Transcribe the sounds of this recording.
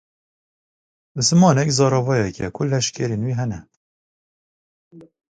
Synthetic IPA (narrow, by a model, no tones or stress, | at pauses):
zɨmɑːnɛkzɑːɾɑvɑjɛkʰɛ̰kʰʊlɛʃkʲɛɾeːnwiːɦɛnɛ